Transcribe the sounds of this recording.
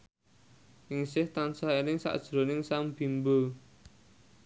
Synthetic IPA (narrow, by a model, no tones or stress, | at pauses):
ʔɪŋsɪht̪ansaɦenɪŋsa̰ʔd̥ʒ̥ɾo̤nɪŋsamb̥i̤mbə